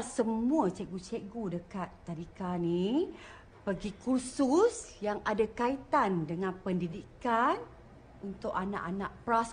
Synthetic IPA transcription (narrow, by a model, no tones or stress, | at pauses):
səmmũat͡ʃɛʔɡut͡ʃɛʔɡudəkat̪ːaɾikani | pəɡikususjaŋadakait̪andəŋãnpəndidikan | unt̪ʊʔana̰ʔanaʔpɾas